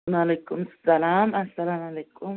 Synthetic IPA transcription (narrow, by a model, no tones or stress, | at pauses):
nalɐkʰʼːʊmssɐlaːmɐsɐlanalɐkʼːʊm